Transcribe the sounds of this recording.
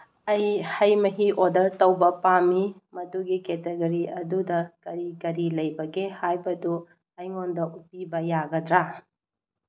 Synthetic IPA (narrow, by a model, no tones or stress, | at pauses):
ɐjhɐjmɐɦiʔodɐɾtɐwbɐpamimɐduɡiketeɡɐɾiɐdudɐkɐɾikɐɾilɐjbɐɡehajbɐdu | ɐjŋondɐʔupibɐjaɡɐdɾa